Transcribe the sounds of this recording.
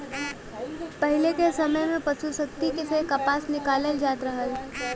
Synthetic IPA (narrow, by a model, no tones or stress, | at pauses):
pɐɦɪlekesɐməjmẽpɐt͡ʃʰusək̚t̪ikesekɐpaːsnɪkaːləld͡ʒaːt̪ɾəɦəl